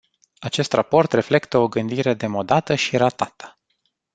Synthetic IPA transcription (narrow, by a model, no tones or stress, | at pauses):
at͡ʃe̞st̪rapo̞rt̪re̞fle̞kt̪əo̞ɡɨnd̪iɾe̞d̪e̞mo̞d̪at̪əʃiɾat̪at̪ə̥